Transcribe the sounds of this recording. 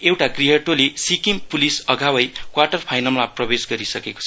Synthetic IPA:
ewʈakriɦʌʈolesikimpulisʌɡʱawʌjkwaʈʌrpʰajnʌlmaprʌbesɡʌɾisʌkeko̥t͡sʰʌ

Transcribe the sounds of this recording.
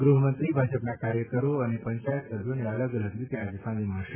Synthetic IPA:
ɡɾuɦəmənt̪ɾibʱad͡ʒəpnakaɾjəkəɾoənepəɲt͡ʃajət̪səbʱjoneələɡɾəd̪ut̪jead͡ʒsãd̪imãʃ

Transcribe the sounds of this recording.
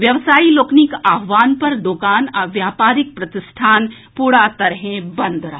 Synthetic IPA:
ʋjɐʋsaːiloːknɪkaːɦʋaːnpɐɾd̪okaːnaʋjaːpaːɾɪk̚pɾɐt̪ɪsʈʰaːn | puːɽat̪ɐɾɦẽbɐ̃nd̪ɾɐɦ

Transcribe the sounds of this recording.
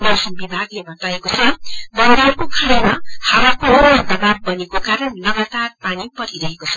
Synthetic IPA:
bʌsʌnbibʱaɡlebʱʌt̪aekot͡sʰʌbʌnd̪eɦʌrkokʰaɽemahawakoʌd̪ʌbab̚bʌnekokaɾʌnlʌɡat̪arpanipʌɾiɾʌɦekot͡sʰʌ̥

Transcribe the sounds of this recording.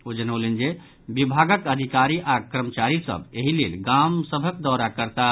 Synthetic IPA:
od͡ʒənəwlend͡ʒe | bibʱaɡəkəd̪ʱikaɾiʔakɾəmət͡ʃaɾisə̰beɦilḛlɡamsəbʱəkd̪ɔɾakəɾt̪a

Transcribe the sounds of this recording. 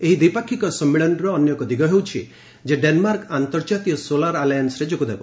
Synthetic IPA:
eɦid̪ipakʰikɔsɔmːiɭɔnɾɔːnjɔkɔd̪iɡʱɔɦewt͡ʃʰḭ | d͡ʒeɖenmaɾkant̪ɔɾd͡ʒat̪ijɔsolaɾalajansɾed͡ʒokud̪ebɔ

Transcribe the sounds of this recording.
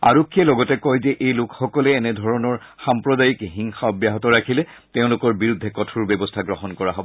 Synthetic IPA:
a̰ɹɔkʰːiɛlɔɡɔtɛkɔjzɛʔejlʊkxɔkɔlɛːnɛdʱɔɹɔnɔɹ | xampɹɔdajikɦiŋxaɔbjaɦɔtɔɹakʰilɛ | teʊ̃lʊkɔɹbiɹud̪ʱːɛkɔtʰuɹbjɛbɔstʰaɡɹɔɦɔnkɔɹaɦɔbɔ

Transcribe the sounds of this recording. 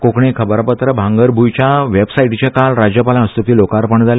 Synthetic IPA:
kokɳekʰəbəɾpət̪ɾəbʱãŋɡəɾbʱujt͡ɕjaʋebsaiʈt͡ɕjakalɾad͡ʑjəpalãəst̪okiːlokaɾpəɳd͡zʱal

